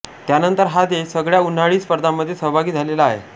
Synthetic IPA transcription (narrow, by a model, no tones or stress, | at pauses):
t̪janənt̪əɾɦad̪esəɡɭjaun̤ːaɭiːspəɾd̪ʱamːəd̪ʱːjesəɦbʱaɡiːd͡zʱalelaːɦḛ